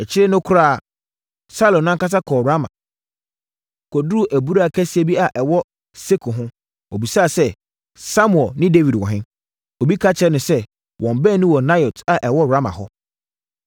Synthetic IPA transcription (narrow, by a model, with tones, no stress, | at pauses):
ɛ˨t͡ɕʰɪ˦ɾɪ˦nʊ̃˦kʰʊ˦ɾa˦˨ | sa˦lɔ̃˨nːã˦ŋ˦ka˦s̬a˦kʰɔː˨ɾa˦mã̰˨ | kʰɔ˨du˦˨ʔæ˨bu˦ɾa˦a˨kʰæ˦si˦ɛ˦bi˦a˨ʔɛ˨wɔ˦ | se˦kʰʊ˨ɦʊ̃˦ | o˨bi˨saː˦˨sɛ˦ | sa˦mʊ˨ɛ˨lnɪ̃˦de˦vi˨dwɔ̰˨ɦɪ̃˦ | o˨bi˦kʰa˦t͡ɕʰɾɛ˨˦nʊ̃˨sɛ˦ | wʔɔ̃˨m˨bɛ˦˨nʊ̃˦wɔ˨na˦jɔ˨tʰa˨ʔɛ˨wɔ˦ɾa˦mã̰˨ɦɔ˦